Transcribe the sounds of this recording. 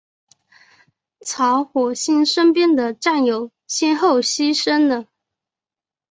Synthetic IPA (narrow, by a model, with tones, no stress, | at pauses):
t͡sʰɑ˧˥ʊxwɔ˨˩ɕi˥˩nʂə˥npjɛ˥nd̪ə˨ʈ͡ʂa˥˩njo˨˩ʊ | ɕɛ˥nxo˥˩ʊɕi˥ʂə˥nd̪ə˨